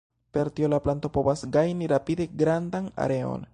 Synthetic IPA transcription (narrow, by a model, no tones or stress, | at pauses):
pe̞ɾtio̞laplanto̞po̞vasɡajniɾapide̞ɡɾandana̰ɾe̞o̞̰n